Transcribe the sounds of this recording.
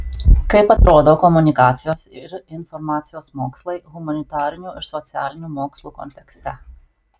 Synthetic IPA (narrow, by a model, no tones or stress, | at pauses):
kɐɪpɐt̪ɾoːd̪oːkɔmʊnʲɪkɑːt̪sʲɪjoːsɪɾɪnfɔɾmɑːt̪sʲɪjoːsmoːkslˠɐɪɣʊmɐnʲɪt̪ɑːɾʲɪnʲuːʔɪɾsɔt̪sʲɪæːlʲɪnʲuːmoːkslˠuːkɔ̰nʲt̪ʲɛksʲt̪ʲɛ